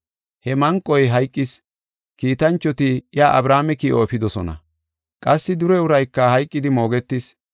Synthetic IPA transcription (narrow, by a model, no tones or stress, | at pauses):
hɛmɐŋkʼɔjɦɐjkʼːɪs | kiːt̪ɐnt͡ʃːɔt̪ɪjaːʔɐbɾaːmɛkiːʔofɪd̪ɔsɔnɐ̰ | kʼɐsːɪd̪ʊɾɛʊɾɐjkːɐhɐjkʼːɪd̪ɪmo̞ːɡɛt̪ːis